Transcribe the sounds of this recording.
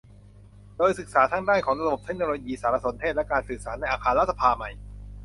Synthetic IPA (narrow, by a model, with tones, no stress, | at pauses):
doː˧jsɯ˨˩k̚saː˩˦t̪ʰaː˥˩ŋdaː˥˩jkʰɔː˩˦ŋɾa˧bo˨˩p̚tʰe˦˥k̚noː˧loː˧jiː˧saː˩˦ɾa˧so˩˦nt̪ʰe˥˩t̪̚lɛ˦˥kaː˧nsɯː˨˩k̚saː˩˦na˧jʔaː˧kʰaː˧la˦˥t̪̚sa˧pʰaː˧ma˨˩j